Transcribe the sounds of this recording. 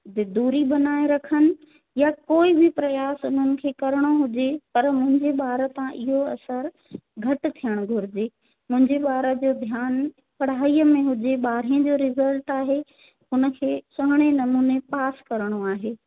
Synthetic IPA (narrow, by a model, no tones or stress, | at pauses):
d̪ɪd̪uːɾiɓɐnaːeɾɐkʰənɪ̆ | jakoːibʱɪpɾɐjaːsʊn̤ənɪ̆kʰeːkɐɾɪɽ̃oɦʊd͡ʑepɐɾmʊ̃ɦɪ̃ɲd͡ʑeɓaːɾt̪ãʔɪɦoɐsəɾ | ɡʱɐʈɪ̆t̪ʰijəɽ̃ʊɡʱʊɾɪd͡ʑeː | mʊ̃ɦɪ̃ɲd͡ʑeɓaːɾəd͡ʑoːd̪ʱjaːn | pɐɽ̤aːiːəmẽɦʊd͡ʑeɓaːɾ̤ĩd͡ʑoːɾɪzəlʈaːɦe | ʊnə̆kʰeːsʊɦɪɽ̃enɐmuːnepaːskɐɾəɽ̃oaːɦeː